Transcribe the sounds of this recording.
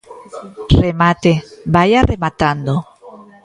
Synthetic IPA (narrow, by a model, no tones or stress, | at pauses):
remat̪ebajaremat̪and̪o